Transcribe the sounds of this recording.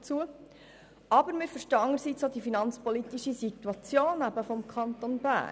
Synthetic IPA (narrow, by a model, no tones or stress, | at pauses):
t͡suə | ɑbəɾmɪːɾfəɾʃtəɑŋːəɾsit͡sod̪ifinɑnt͡spɔlit̪iʃisit̪wɑt͡sjoːnːæbəfɔmkʰɑnt̪onbæ̰ː